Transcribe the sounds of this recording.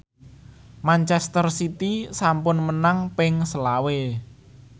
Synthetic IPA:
mant͡ʃɛst̪ərsit̪isampʊnmənaŋpɪŋsəlawe

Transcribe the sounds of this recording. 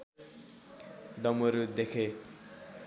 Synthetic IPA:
ɖʌmoɾud̪ekʰe

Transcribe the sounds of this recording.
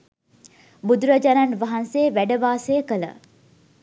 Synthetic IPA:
bud̪uɾɐd͡ʒɐɾɐnʋɐɦɐnseːʋæɖəʋaːsejəkələ̰

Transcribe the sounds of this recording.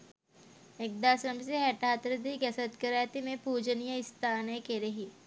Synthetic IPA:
ek̚d̪aːsɾəmseɦɛʈaːt̪ɾəd̪iɡɐsət̪kəɾaːjt̪imẽpuːd͡ʒənijəɪst̪ʰaːnekeɾɐɦi

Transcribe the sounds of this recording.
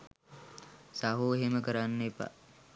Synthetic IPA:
saɦuːɦeməkəɾanːepa̰

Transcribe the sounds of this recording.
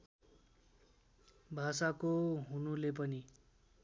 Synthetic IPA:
bʱasakoɦunulep̬ʌni

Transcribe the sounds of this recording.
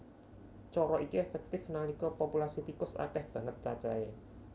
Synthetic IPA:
t͡ʃɔɾɔʔikiɛfɛk̚t̪ɪfnanikɔpopulasit̪ikʊsa̰ʈɛhb̥ä̤ŋət̪̚t͡ʃat͡ʃae

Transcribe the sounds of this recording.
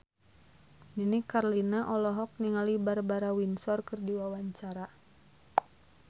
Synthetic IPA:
ninikarlinaʔɔlɔɦɔk̚niŋalibarbaɾawinsɔrkɨrdiwawaɲt͡ʃaɾa

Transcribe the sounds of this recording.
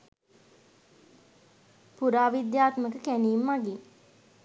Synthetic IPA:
puɾaːʋid̪jaːt̪məkəkæniːmːaɡi

